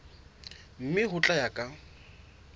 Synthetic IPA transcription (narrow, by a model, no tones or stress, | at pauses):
m̩mɪɦʊt͡ɬʼajakʼa